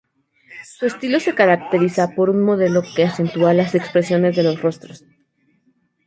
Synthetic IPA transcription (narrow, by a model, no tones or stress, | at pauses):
sue̞st̪ilo̞se̞kaɾak̚t̪e̞ɾisapo̞ɾunmo̞ð̞e̞lo̞ke̞ase̞nt̪ualase̞kspɾe̞sjo̞ne̞zðe̞lo̞sro̞st̪ɾo̞s